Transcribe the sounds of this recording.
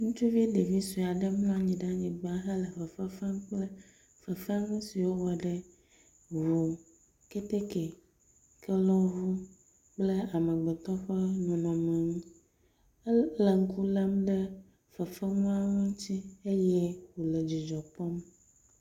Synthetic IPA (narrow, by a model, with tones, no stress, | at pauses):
ŋũ˦t͡ʃu˦vi˦ɖe˨vi˦su˨a˨ɖə˦mlɔ̃˦a˦ɲĩ˨ɖa˦ɲĩ˨ɡ͡ba˦ɦə˦lə˨ɸə˨fə˦fə˦mk͡plə˦ | fə˨fɛ˦ŋũ˦si˨wo˦wɔ˨ɖə˦ | vu˨ | ke˦t̪e˦ke˨ | kɛ˦lɔ˦ɦu˦ | k͡plə˦a˨mə̃˨ɡ͡be˨t̪ɔ˦ɸə˦nũ˨nɔ̃˨mɛ˨ŋũ˦ | lə˨ŋ̩˦ku˦lə˦mɖə˦ | fə˨fə˦ŋũ˦a˦wo˦ŋ̩˦t͡ɕi˦e˦jɛ˦wo˨lə˨d͡ʑi˨d͡ʒɔ˨pɔ˦m